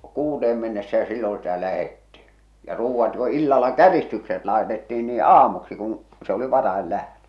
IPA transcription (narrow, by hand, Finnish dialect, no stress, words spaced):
kuːteːm menːesːæ jɑ silːõː sitæ læhetːi̥ jɑ ruːʋːɑt jo ilːɑlːɑ kæristykset lɑetetːiːn niː ɑːmuksi kũː se oli ʋɑrɑel læhtø